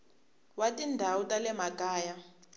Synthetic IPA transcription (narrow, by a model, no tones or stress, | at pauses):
watʼindʱawutʼalɛmakʼaːja